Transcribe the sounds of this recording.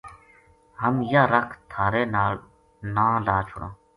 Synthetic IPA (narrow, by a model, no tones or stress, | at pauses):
həmjaːɾəkʰt̪ʰaːɾeːnaːɭ | nãːlaːt͡ʃʰʊ̰ɽã̰ː